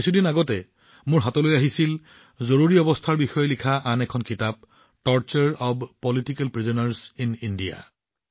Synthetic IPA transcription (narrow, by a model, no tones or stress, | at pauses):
isudinaɡɔtɛ | mʊɹɦatɔlojaɦisil | zoɹuɹiɔbɔstʰaɹbixɔjɔlikʰaʔanɛkʰɔnkitab̚ | tɔɹt͡ʃaɹɔbpɔlitikɛlpɹizɔnaɹsinindija̰